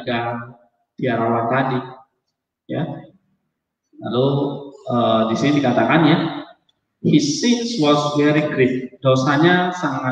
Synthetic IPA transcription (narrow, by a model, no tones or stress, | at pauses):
ɡa | d̥iaɾawant̪adi | ja̰ | la̰loədisinidikat̪akanja | hisɪnswɔlswɛɾiɡɾɪt̪̚d̥osaɲasaŋa